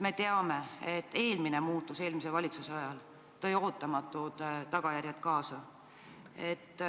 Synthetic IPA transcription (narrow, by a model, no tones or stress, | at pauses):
me̞t̪e̞ɑme̞et̪ːe̞ːlmine̞muːt̪ːˑuse̞ːlmis̬e̞vɑlʲit̪suseɑjɑl | t̪o̞jo̞ːt̪ːˑɑmɑt̪ːˑud̪̥t̪ɑɡ̥ɑjæɾʲjɑt̪kɑːsɑ | et̪ː